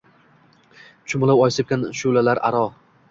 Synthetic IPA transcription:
t͡ʃʰʊmʊlˠawɒjsɪp̚kʲanʃʊlalaɾa̰ɾɒ

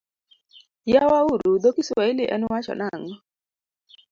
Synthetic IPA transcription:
jawauɾud̪okiswailiʔɛ̰nʊwat͡ʃɔ̰naŋɔ

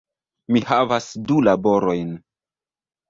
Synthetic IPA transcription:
mihavasdulabo̞ɾo̞jn

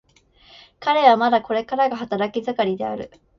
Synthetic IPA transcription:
kaɾe̞β̞amad̪ako̞ɾe̞kaɾaɡaɦat̪aɾakʲizɨkaɾʲid̪e̞aɾɯ̟̰

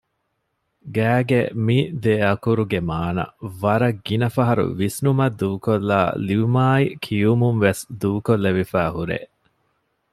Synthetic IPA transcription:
ɡæːɡemid̪eɐkuɾuɡemaːnɐ̰ʋɐɾɐɡːinɐfɐɦɐɾṵʋisnumɐd̪ːuːkolːa̰ːliʋumaːikʰijumunʋesd̪uːkolːeʋifæːɦuɾḛ

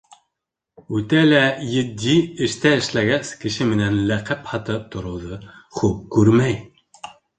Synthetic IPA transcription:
ut̪ɛlɛjɪd̪iɪʃt̪ʰɛɪʃlɛɡʲɛskʲʰɪʃɪmɪnɛnlæqʰæphɑt̪ɨp̚t̪ʰuɾuðɨχup̚kʰʲyɾmɛj

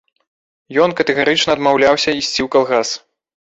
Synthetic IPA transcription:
jɔnkɐt̪ɛɣaɾɨt͡ʂnɐd̪mawlʲawsʲɐisʲt͡sʲiwkalˠɣas

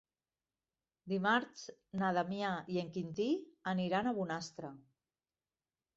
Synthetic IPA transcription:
d̪imaɾt͡ʃnaðamjaieŋkint̪ianiɾanaβunast̪ɾa

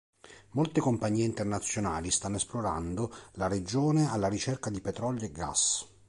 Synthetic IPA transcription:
molt̪ekompaɲːiːeint̪ernat̪sːjonaːlist̪anːoesploɾa̰nd̪olaɾed͡ʒoːnealːaɾit͡ʃɛrkad̪ipɛt̪ɾɔljoeɡːa̰s

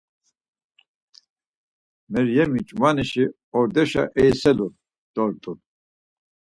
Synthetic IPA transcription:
mɛɾjɛmit͡ʃʼmaniʃi | ɔɾd̪ɛʃa̰ʔɛjsɛluɾ | d̪̥ɔɾt̪ʼun

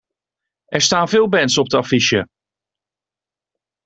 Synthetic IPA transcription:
ɛɹstaːnvɪːlˠbɛntsɔp̚dəafiʃjə

